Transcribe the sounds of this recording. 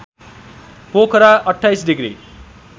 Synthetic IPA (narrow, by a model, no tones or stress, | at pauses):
pokʰɾaʌʈʰːajsɖiɡɾḭ